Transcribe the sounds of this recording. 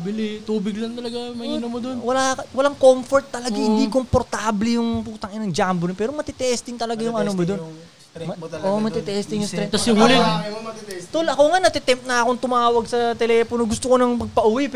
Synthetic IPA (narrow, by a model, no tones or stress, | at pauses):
bɪlit̪uːbɪɡlɐŋt̪ɐlɐɡamɐiːnomːod̪onwɐlakɐwɐlaŋkomfoɾt̪ːɐlɐɡaŋhɪnd̪ikompoɾt̪aːblɪjʊŋpuːt̪ɐŋɪnɐŋd͡ʒaːmbonpɛːɾomɐt̪ɪt̪ɛst̪ɪŋt̪ɐlɐɡajʊŋɐnomod̪o̞n | ɐʔomɐt̪ɪt̪ɛst̪ɪŋjʊŋst̪ɾɛt̪ɐsjʊŋhulɪ | t̪olʔɐkoŋanɐt̪ɪt̪ɛmp̪̚nɐɐkoŋt̪ʊmaːwɐɡ̚sɐt̪ɛlɛːpono̞ɡʊst̪okonɐŋpɐɡ̚pɐʔʊwip